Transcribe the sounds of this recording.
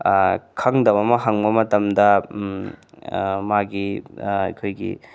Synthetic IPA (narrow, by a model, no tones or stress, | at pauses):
kʰɐŋdɐmɐmɐɦɐŋbɐmɐtɐmdɐ | maɡia̰jkʰojɡḭ